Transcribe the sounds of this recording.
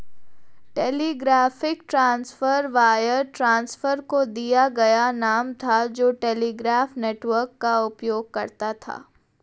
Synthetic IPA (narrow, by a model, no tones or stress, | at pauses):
ʈeːliːɡɾaːfɪkʈɾãːnsfəɾʋaːjəɾʈɾãːnsfəɾkod̪ijaɡɐjanaːmt̪ʰad͡ʒoːʈeːliːɡɾaːfneːʈʋəɾkːaʊpjoːɡːɐɾt̪at̪ʰa̰ː